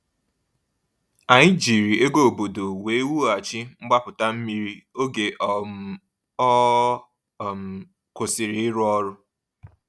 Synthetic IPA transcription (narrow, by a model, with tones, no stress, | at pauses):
a˨ɲɪ˦d͡ʒi˨ɾi˨ʔe˦ɡo˦o˨bo˨do˨we˨˦wu˦a˨t͡ʃɪ˦ŋ͡m̩˦ɡ͡ba˦pʊ˨ta˦m̩˦mi˦ɾi˦o˦ɡe˨ʔ | ɔ˦˨ | m˨ | kʊ˨sɪ˨ɾɪ˨ɪ˦ɾʊ˦ɔ˦ɾʊ˦